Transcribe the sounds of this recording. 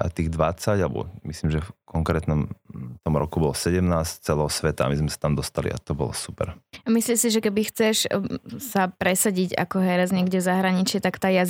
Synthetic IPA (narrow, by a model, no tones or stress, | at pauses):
ʔa̰t̪iːɣd̪ʋat͡saɟalbɔ̰mislimʒɛfkɔŋkɾɛːt̪nɔmt̪ɔmɾɔ̰kubɔlɔsɛɟɛmnaːsct͡sɛlɛɦɔsʋɛt̪aa̰mizmɛsḁt̪amd̪ɔst̪alḭa̰t̪ɔbɔ̰lɔ̰supɛ̰ɾmisliːsiʒɛkɛbixt͡sɛʃsapɾɛsaɟiɟa̰kɔɦɛɾɛd͡zɲɪɛɡɟɛvzaɦɾaɲit͡ʃɪɛt̪akt̪aːja